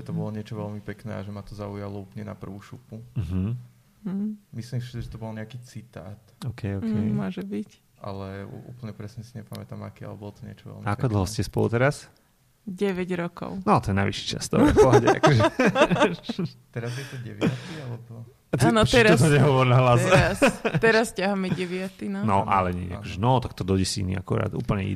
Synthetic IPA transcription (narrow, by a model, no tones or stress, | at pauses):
ʒɛt̪ɔbɔlɔɲɪɛt͡ʃɔʋɛlmipɛknɛ̰ːa̰ʒɛmat̪ɔzaujalɔuːpl̩ɲɛna̰pr̩ʋuːʃupum̩ɦm̩ | mislimsisiʒɛt̪ɔbɔlɲɛakiːt͡sit̪aːt̪ɔːkʰɛjɔːkɛmʊɔʒɛbic | ʔa̰lɛṵʔṵːpl̩ɲɛpɾɛsɲɛsiɲɛpamɛt̪aːma̰kɛa̰lɛbɔlɔt̪ɔɲɪɛ̰t͡ʃɔʋɛ̰lmiakpkɔd̪l̩ɦɔscɛspɔ̰lṵt̪ɛɾas | ɟɛʋɛɟɾɔkɔ̰ʊnɔt̪ɔjɛnajʋiʃi̥t͡ʃa̰st̪ɔ̰ɔɦɔɟɛa̰ɔʒ | t̪ɛɾazjɛt̪ɔɟɛʋat̪ialɛbɔ | t̪anɔt͡ʃ̪ɛɾaɔst̪̬ɔɲɛɦɔʋɔɾnaɦlazɛast̪ɛɾascaɦamɛɟɛʋɪat̪inanɔʔa̰lɛɲɛ̰akɔʒɛnɔt̪akt̪ɔd̪ɔɟɛsinḭa̰kuɾa̰ːd̪ṵːplɲɛḭ